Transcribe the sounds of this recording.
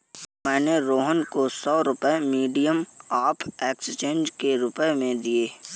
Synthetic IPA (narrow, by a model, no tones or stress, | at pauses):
mɛːneɾoːɦənkosɔːɾʊpəemiːɖijəmaːpʰeːkst͡ʃẽːnd͡ʒkeɾʊpəemẽd̪ieː